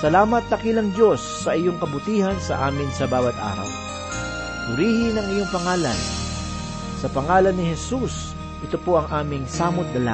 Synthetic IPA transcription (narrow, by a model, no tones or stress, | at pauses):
sɐlaːmɐt̪̚lɐkilɐŋd̪jo̞sːɐʔɪjoŋkɐbʊt̪iːhɐnsɐ̰ʔaːmɪnsɐbaːwɐt̪ʔa̰ːɾɐ̰w | t̪ʊɾiːhɪnɐŋɪjo̞ŋpɐŋaːlɐ̰n | sɐpɐŋaːlɐnːɪhɛsus | ʔɪt̪opo̞ʔɐŋʔaːmɪŋsaːmʊt̪̚d̪ɐla̰